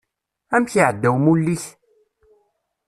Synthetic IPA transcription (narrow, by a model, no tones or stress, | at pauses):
æmçiʕəd̪ːæwmulːiç